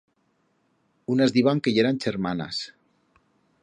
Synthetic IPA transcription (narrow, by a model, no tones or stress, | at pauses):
unazðiβaŋkejeɾanʲt͡ʃeɾmana̰s